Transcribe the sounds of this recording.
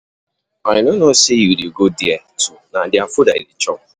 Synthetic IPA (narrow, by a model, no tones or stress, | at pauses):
aɲɪnʊnosejudiɡodiɛ | tunadɪafʊdaḭlit͡ʃɔ